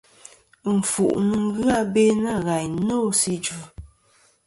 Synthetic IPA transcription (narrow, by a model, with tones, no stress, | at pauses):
m̩˨fu˨ʔnɨ˨ŋ˦ɣɰa˦˨be˦na˦˨ɣa˨jno˦˨si˦d͡ʒu˨